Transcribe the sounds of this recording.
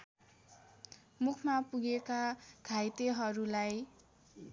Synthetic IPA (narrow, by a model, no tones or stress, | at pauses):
mukʰmapuɡekaɡʱajt̪eɦʌɾulaj